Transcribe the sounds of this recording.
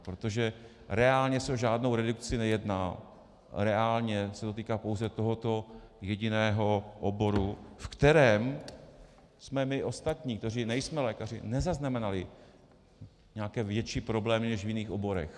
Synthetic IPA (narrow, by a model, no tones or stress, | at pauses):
pɾot̪o̞ʒɛ | ɾɛaːlɲɛsɛoʒaːdno̞wɾɛdukt͡sɪnɛjɛdnaː | ɾɛaːlɲɛsɛd̪ot̪iːkaːpo̞wzɛt̪o̞ɦo̞t̪o̞jɛɟɪnɛːɦo̞ʔobo̞ɾufkt̪ɛɾɛːm | smɛmɪʔo̞st̪at̪ɲiːkt̪orɪnɛjsmɛlɛːkar̝ɪ̰nɛzaznamɛnalɪ | ɲɛakɛːvjɛt͡ʃiːpɾo̞blɛːmɪnɛʃvjɪniːxʔo̞bo̞ɾɛ̰x